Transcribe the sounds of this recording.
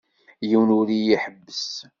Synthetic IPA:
jiwnuɾijiħəbːəs

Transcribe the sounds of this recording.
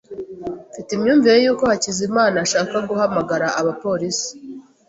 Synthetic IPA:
fitimɲuːɱviɾe̞juːko̞hacizimaːnaʃaːkaɡuhamaɡaɾaʔaβapo̞ɾisi̥

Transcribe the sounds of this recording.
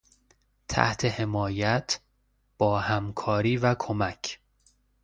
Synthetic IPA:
t̪ʰæ̰ht̪ʰe̞he̞mɒːjæt̪ʰ | b̥ɒːhæmkʰɒːɾiːvækʰo̞mæcʰ

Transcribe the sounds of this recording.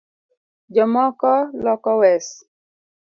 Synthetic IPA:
d͡ʒɔmɔkɔlɔkɔwɛs

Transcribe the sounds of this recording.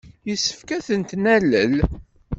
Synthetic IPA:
jəsːə̥fkæθənt̪næləl

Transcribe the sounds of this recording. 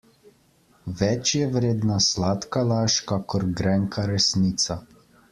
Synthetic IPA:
ʋɛt͡ʃjɛʋɾeːd̪naslat̪kalaːʃkakɔɾɡɾɛŋkʰaɾɛsniːt̪sa

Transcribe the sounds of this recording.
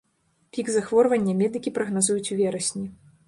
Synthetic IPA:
pʲiɡzaxvɔrvɐnʲːɐmʲɛd̪ɨkʲipɾɐɣnazujut͡sʲuvʲɛɾɐsʲnʲi

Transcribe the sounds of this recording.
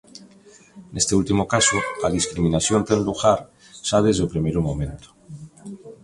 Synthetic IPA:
nʔe̞st̪eult̪imokasoaðiskɾimĩnaθjont̪enluɣaɾ | saβezopɾimeɾumõmẽ̞nt̪o̥

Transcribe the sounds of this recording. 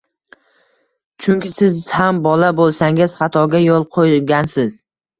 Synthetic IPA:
t͡ʃʰʊŋkʲɪsɪzhambɒlabolˠsaŋɪz̥χɑt̪ʰɒɡʲajolˠqʰojɡʲansɪz̥

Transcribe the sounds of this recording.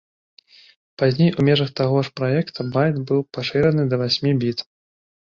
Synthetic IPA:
pazʲnʲejumʲɛʐɐxt̪aɣɔʂpɾajɛkt̪ubajd̪bɨwpaʂɨɾɐnɨd̪ɐvasʲmʲibʲit̪

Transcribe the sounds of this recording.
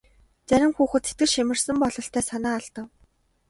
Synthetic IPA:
t͡sæɾʲɪ̆mxuːxɘ̆t̪sʰe̥t̪̚ɡɘ̆ʃimɘ̆rsə̆mpɔɮɞ̆ɬt̪ʰæːsanaːaɮt̪ə̆w

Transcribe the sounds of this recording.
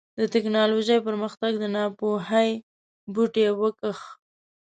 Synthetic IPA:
d̪ət̪ɪknɑloʒəjpəɾməxt̪aɡd̪ənɑpoɦaj | buʈewəkəx

